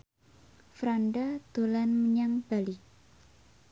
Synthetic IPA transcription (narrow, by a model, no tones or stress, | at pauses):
fɾanɖad̪̥o̤lanməɲaŋb̥a̤li